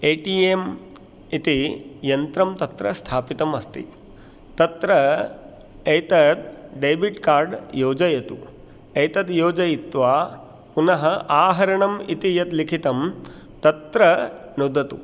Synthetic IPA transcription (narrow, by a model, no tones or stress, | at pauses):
eːʈiːem | it̪ijɐnt̪ɾɐmt̪ɐt̪ɾɐst̪ʰaːpit̪ɐmɐst̪ḭ | t̪ɐt̪ɾɐ | ɐjt̪ɐt̪ɖejbiʈkaːɾɖjoːd͡ʒɐjɐt̪u | ɐjt̪ɐt̪joːd͡ʒɐjit̪ʋaː | punɐɦɐʔaːɦɐɾɐɳɐmit̪ijɐt̪likʰit̪ɐm | t̪ɐt̪ɾɐnud̪ɐt̪ṵ